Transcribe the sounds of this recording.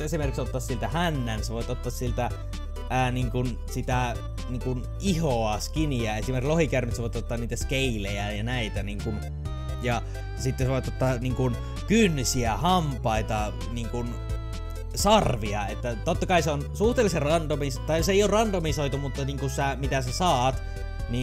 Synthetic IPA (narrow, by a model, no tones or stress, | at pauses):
esimerkiksot̪ːɑːssilt̪æhænːænseʋoˑit̪ot̪ːɑːssilt̪æː | niŋkun | sit̪æ | niːŋkun | ihoɑskiniæesimerklohikærnyt̪seʋoˑit̪ot̪ːɑːnniːt̪æskeilejæjɑnæit̪æniːŋkun | jɑ | sit̪ːeseʋoˑit̪ot̪ːɑːniːŋkun | kynːsiæhɑmpˑɑˑit̪ɑ | niːŋkun | sɑrʋiɑet̪ːæt̪ot̪ːɑkɑiseonsuht̪elːˑiserrɑnt̪omist̪ɑijoseˑijˑoːrrɑnt̪omisoit̪omut̪ːɑniːŋkusæmit̪æsesɑːt̪ | ni